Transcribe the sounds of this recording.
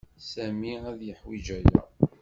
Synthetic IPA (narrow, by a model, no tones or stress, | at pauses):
sæmiæðjəħwid͡ʒæjæ̰